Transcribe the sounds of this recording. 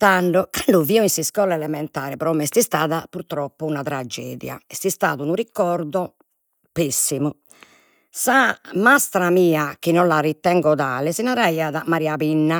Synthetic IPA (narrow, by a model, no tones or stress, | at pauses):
t̪aɳɖɔkaɳɖuviːɔinsiskɔːlɛɛlɛmɛnt̪aːɾɛpɾɔːmɛst̪ist̪aːðapuɾt̪ɾɔpːuunat̪ɾad͡ʒːɛ̰ːðja̰ɛst̪ist̪a̰ːðunurikɔɾd̪ɔ | pesːimu | samast̪ɾamiːak̟inːɔnlarit̪ːɛŋɡɔðaːlɛsinaɾaiːaðamaɾiapinːa